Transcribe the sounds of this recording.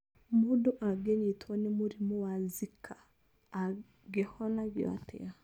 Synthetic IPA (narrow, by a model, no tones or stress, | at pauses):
modoʔaɡeɲetʰwɔnemoɾimowazikʰa | ɡehɔnaɡewa̰tḛa